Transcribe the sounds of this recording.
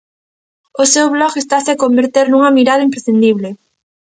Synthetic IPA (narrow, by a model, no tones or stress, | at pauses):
ʊsewβlɔkest̪asɪakombeɾt̪eɾnuŋɐmiɾaðɐimpɾesθind̪iβle